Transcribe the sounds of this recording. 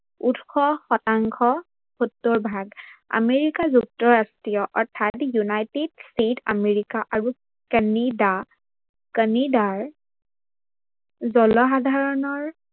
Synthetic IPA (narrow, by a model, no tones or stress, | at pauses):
utxɔxɔtaŋkʰɔ | hotːɔɹbʱaɡa̰meɹikazuk̚tɔɹastɹijɔʔɔɹtʰatjunajtedsitʰa̰meɹikaʔaɹu | kənida | kənidaɹ | zɔlɔxadʱaɹɔnɔɹ